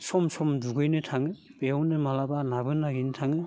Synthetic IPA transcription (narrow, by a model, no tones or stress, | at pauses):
sɔmsɔmduɡɯjnɯtʰaŋɯbeɔwnɯmalabanabɯnaɡintʰaŋɯ